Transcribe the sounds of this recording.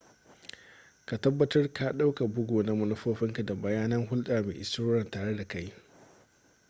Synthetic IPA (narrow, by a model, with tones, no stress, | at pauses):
ka˨tɐ˦bːɐ˦tɐ˦rka˨ɗa˦wka˨bʊ˦ɡoː˨na˦mʊ˦nʊ˦ɸoː˦ɸɪ˦ŋka˨da˨bɐ˨jaː˦nɐ˦ŋɦʊ˦lɗaː˨mḛː˨ʔɪ˨stoː˦ɾɐ˨ntaː˨ɽe˦da˨ka˦j